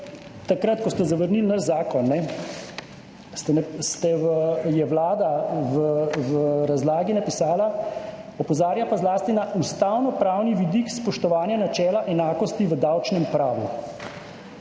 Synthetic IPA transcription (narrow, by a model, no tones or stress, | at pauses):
t̪akɾat̪kɔst̪ɛzaʋəɾnilnaʃzaːkɔnːɛ | st̪ɛst̪ɛʋjɛʋlaːd̪aʋəʋəɾazlaːɡinapisaːla | ɔpɔzaːɾjapazlaːst̪inaust̪awnɔpɾaːwniʋid̪ikspɔʃt̪ɔʋaːnjanat͡ʃɛːlaʔɛnaːkɔst̪iʋəd̪awt͡ʃnɛmpɾaːʋjṵ